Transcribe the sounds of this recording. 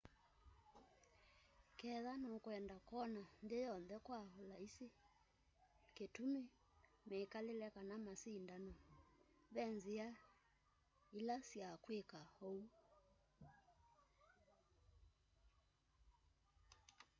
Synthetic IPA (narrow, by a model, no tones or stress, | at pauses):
kɛðanɔkwɛndakɔnandejɔnðɛkwahɔlaise | ketume | mɛkalelɛkanamasiːndanɔ | βɛnzia | ilasiakwekahou